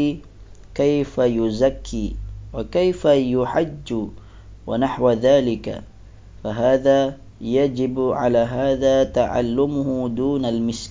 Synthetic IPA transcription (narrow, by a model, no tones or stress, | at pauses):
kajfajʊzakʰːiːwakajfajʊħad͡ʒːʊ | wanaħwðaːlɪka̰ | faɦaːðaː | jad͡ʒɪbʕa̰laːɦaːðaːt̪aʕa̰lːʊmʊhʊd̪uːnalmɪs